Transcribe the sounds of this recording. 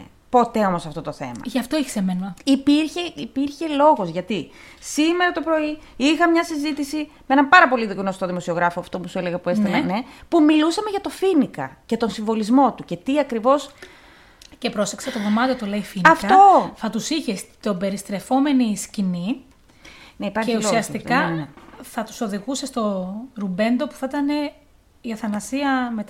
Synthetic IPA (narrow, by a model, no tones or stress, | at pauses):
po̞t̪e̞o̞mo̞sɐft̪o̞t̪oθe̞̰mɐ̰ʝɐft̪oiçi̥semenipiɾçeipiɾçe̞lo̞ɣo̞zʝɐt̪i | sime̞ɾɐt̪o̞pɾo̞iixɐmɲɐsizit̪isimee̞nɐmpɐɾɐpo̞liðikno̞st̪oðimo̞sio̞ɣɾɐfoɐft̪opusue̞leɣɐpue̞st̪elɐne̞pumilusɐmeʝɐt̪o̞finikɐ̰cet̪o̞nsiɱvo̞lizmo̞t̪uce̞t̪iɐkɾivo̞s | cepɾosekset̪oðo̞mɐt̪ijot̪uleifiniɐkfɐt̪o̞θɐt̪usiçest̪obe̞ɾist̪ɾe̞fo̞me̞niscini | neipɐɾçeçulosiɐst̪ikɐeθɐt̪u̥so̞ðiɣusest̪o̞ɾube̞nd̪o̞pu̥θet̪ɐne̞ | iɐθɐnɐsiɐmet̪